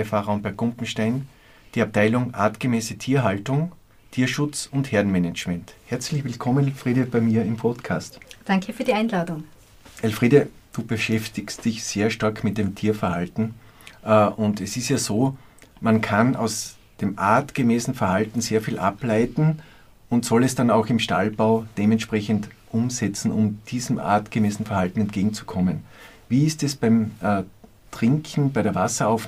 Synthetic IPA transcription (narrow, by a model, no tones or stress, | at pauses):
faːʁɐʊnpɛɐkʊmpm̩ʃtaɪn | d̥iːap̚tʰaɪlʊŋʔa̰ːtɡ̥əmeːsətʰiːɐɦaltʊŋ | tʰiːɐʃʊt͡sʊntheɐdn̩mɛnɛt͡ʃmɛnthɛɐt͡slɪçvɪlkʰɔmənɛlfʁiːɾəb̥aɪmiːɐɪmpʰɔtkʰaːstd̥aŋkʰəfyːɐɾiaɪnlaːdʊŋ | ʔɛlfʁiːɾə | d̥uːbəʃɛftɪkstd̥ɪçseːɐʃtaɐkʰmɪt̚d̥eːmtʰiːɐfɛɐhaltn̩ | ʔʊndɛsɪstjaːzoːmankʰana̰ʊs | d̥eːmʔaɐtɡ̥əmɛːsn̩fɛɐhaltn̩seːɐfiːlʔaplaɪtn̩ | ʊntsɔlɛsd̥anaʊxɪmʃta̰lbaʊd̥eːmɛntʃpʁ̥ɛçəntʔʊmzɛt͡sn̩ʊ̰md̥iːzəmʔa̰ːtɡ̥əmɛːsn̩fɛɐhaltn̩ɛnt̚ɡ̥eːɡŋ̩t͡su̥kʰɔmən | viːɪstɛsb̥aɪmː | tʁ̥ɪŋkʰn̩baɪɾeɐvasɐaʊf